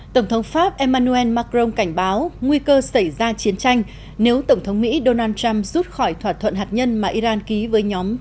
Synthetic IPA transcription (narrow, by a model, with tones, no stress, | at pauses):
t̪ə˧˩wŋ͡mt̪ʰə˨˦wŋ͡mfaː˦˥p̚ʔɛ˧maː˧nu˧ɛ˧nmaː˧kɾo˧ŋ͡mka˧˩jŋ̟ɓaː˨˦wŋwi˧kəː˧sa˧˩jzaː˧t͡ɕi˨˦ənt͡ɕa˧jŋ̟ | ne˨˦wt̪ə˧˩wŋ͡mt̪ʰə˨˦wŋ͡mmḭ˧˥ɗo˧naː˧nt͡ɕa˧mzu˦˥t̚xɔ˧˩jt̪ʰwaː˧˩t̚t̪ʰwə̰˧˨nhɦaː˨˩t̚ɲə˧nmaː˨˩ʔi˧zaː˧nki˨˦vəː˨˦jɲɔ˨˦m